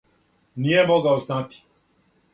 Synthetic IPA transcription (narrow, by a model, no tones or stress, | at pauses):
nijemoɡaosnat̪i̥